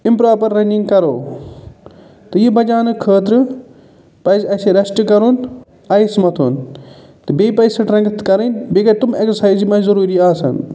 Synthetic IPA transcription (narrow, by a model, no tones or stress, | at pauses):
ɪmpɾaːpɐɾːɐnĩŋɡkɐɾo̰ː | t̪ɐjibɐd͡ʒaːnɨkʰəːt̪ɾɨ | pɐjzɐːseɾɐsʈkɐɾun | ɐismɐt̪ʰun | t̪ɐbeːpɐjsɐʈɾɐ̃ŋkt̪kɐɾɐnbeːkɐt̪ʊmeksəɾsaːizimãːzɐɾuːɾiaːsɐ̰n